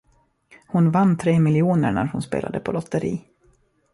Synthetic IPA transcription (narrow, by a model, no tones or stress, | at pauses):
hʊnvanːt̪ʰɾeːmɪljuːnəɳæ̰ɾhʊnspḛːla̰d̪əpʰɔlɔt̪ːəɾḭː